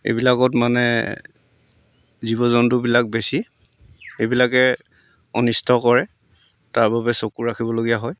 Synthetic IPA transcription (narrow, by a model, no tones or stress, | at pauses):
ḛbilakɔtmanɛ̰ | zibɔzɔndubilak̚besi | ebilakɛ | ɔnistʰɔkɔɹɛ | taɹbabɛsokuɹakʰibɔloɡijaɦɔj